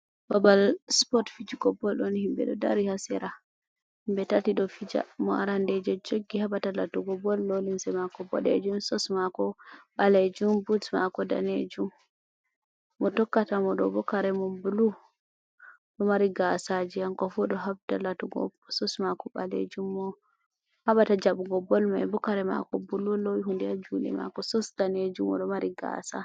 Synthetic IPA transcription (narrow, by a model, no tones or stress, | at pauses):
babalspɔtfid͡ʒiɡɔbɔlɗɔnhimbɛ̰ɗɔda̰ɾihasɛɾa | himbɛtatiɗɔfid͡ʒa̰mɔ̰a̰ɾandɛd͡ʒɔd͡ʒoɡːihabatalatuɡɔbɔlːolimsɛmakɔbɔ̰ɗḛd͡ʒumsɔsmakɔɓaled͡ʒumbutmakɔda̰nḛd͡ʒum | ɔtɔkːatamɔɗɔbɔkaɾɛmɔbulu | ɗɔmaɾiɡasad͡ʒiaŋkɔfɔɗɔɦab̚talatuɡɔ̰bsɔsmakɔɓa̰lḛd͡ʒumːɔ | haɓatad͡ʒaɓuɡɔbɔlmaɛbɔkaɾɛma̰kɔbululowiɦundɛad͡ʒulɛ̰ma̰kɔsɔsdaned͡ʒumɔ̰ɗɔmaɾiɡa̰sa̰